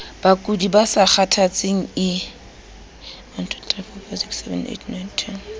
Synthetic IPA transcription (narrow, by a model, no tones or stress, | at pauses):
b̥akʼudibasak͡xatʰat͡sʼeŋ̩ɪ | wan̩tʰʊ̥tʼrɛfɔfɔsiksɛvɛ̰nʔḛtʰnajntʰɛn